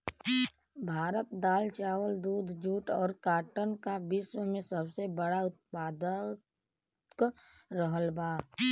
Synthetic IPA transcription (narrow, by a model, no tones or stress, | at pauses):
bʱaːɾət̪̚d̪aːlt͡ʃaːwəld̪uːd̪ʱd͡ʒuːʈɔːɾkaːʈənkabɪswəmẽsəbsebəɽaʊt̪̚paːd̪ə | kɾəɦəlbaː